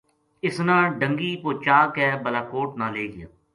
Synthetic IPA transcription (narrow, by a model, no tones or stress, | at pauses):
ɪsnãːɖəŋɡiːpoːt͡ʃaːkɛːbəlaːkoːʈnaːleːɡɪja̰ː